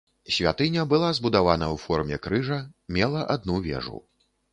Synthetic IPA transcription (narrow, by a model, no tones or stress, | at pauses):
sʲvʲa̰t̪ɨnʲɐbɨlˠazbud̪avanɐwfɔrmʲɛkɾɨʐɐmʲɛlˠɐʔad̪̚nuvʲɛ̰ʐṵ